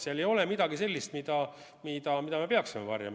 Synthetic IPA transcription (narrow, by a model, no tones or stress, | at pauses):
seɑle̞jo̞lemid̪ɑɡ̥ise̞lːist̪mid̪ɑ | mid̪ɑmid̪ɑme̞peɑksimevɑ̰rjɑ̰m